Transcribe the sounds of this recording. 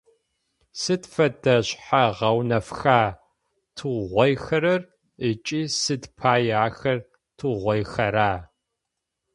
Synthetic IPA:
sɨdfɐdɐɕħaʁɐwnɐfxaː | tʰuʁʷɔjxɐɾɐr | ət͡ʃʼiːsɨdpʰaːjaːxɐr | tʰɨʁʷɔjxɐɾaː

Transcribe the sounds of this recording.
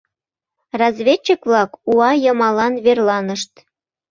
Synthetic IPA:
rɑzβʲet͡ɕːəkβlɑkuɑjəmɑlɑnβerlɑnəʃt̪

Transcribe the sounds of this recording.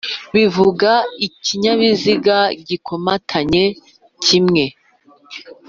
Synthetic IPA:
βivuɡaiciɲaβiziɡaɟikomatʰaɲe̞ | cimŋe̞

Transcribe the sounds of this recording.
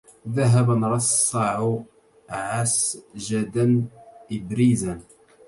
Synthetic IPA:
ðæɦæbənɾˤɑssˤːɑʕu | ʕasʒæd̪ənɪbɾizan

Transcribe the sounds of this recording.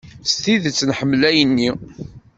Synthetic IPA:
st̪iðt͡sːnħəmːlæjənːi

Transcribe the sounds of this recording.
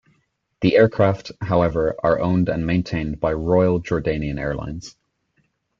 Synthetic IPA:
ðiʔɛːɹkʰɹ̥aftsɦaʊɛvə˞ʔə̰˞ʔõʊ̃ndə̰̃nmẽɪ̃ntʰẽɪ̃nbaɪɹɔɪəlˠd͡ʒɔɹdẽɪ̃niə̃nɛ̰ːɹlã̰ɪ̃nz̥

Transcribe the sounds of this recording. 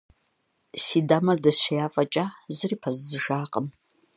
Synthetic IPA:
siːdaːmɐrdɐɕʷɐjaːfʼɐt͡ʃʼaːzɨriːpʰɐzzɨʒaːqʼəm

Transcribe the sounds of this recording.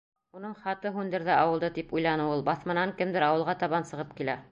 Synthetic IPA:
unɤɴχɑt̪ɤɦʉnd̪ɘ̆ɾðæɑwɤ̆lˠd̪ɤt̪ipujlˠɑnɤulˠbɑθmɤ̆nɑŋkɘmd̪ɘɾɑwɤ̆lˠʁɑt̪ɑβɑnsɤ̆ʁɤp̚kilæ

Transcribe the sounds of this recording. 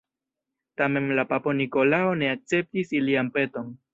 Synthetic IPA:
tame̞nlapapo̞niko̞laone̞ak̚t͡se̞p̚tisiliampe̞to̞n

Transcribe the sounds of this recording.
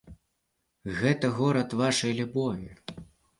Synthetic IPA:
ɣɛt̪ɐɣɔɾɐt̪vaʂɐjlʲubɔvʲi

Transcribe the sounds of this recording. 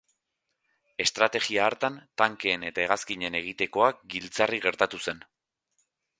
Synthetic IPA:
e̞st̪ɾat̪e̞ɣiaːɾt̪ant̪aŋke̞ːne̞t̪ae̞ɣ̞askiɲe̞ne̞ɣ̞it̪e̞ko̞ak̚ɡilt͡sariɣe̞ɾt̪at̪use̞n

